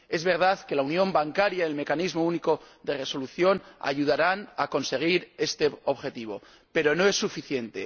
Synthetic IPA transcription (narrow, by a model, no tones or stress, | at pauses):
e̞zβe̞ɾð̞aðke̞launjõ̞mbaŋkaɾjaielme̞kanizmouniko̞ðe̞re̞so̞luθjona̰ʝuð̞aɾanako̞nse̞ɣ̞iɾe̞st̪e̞o̞βxe̞t̪iβ̞o̞̰ | pe̞ɾo̞no̞e̞sːufiθje̞nt̪e̞̰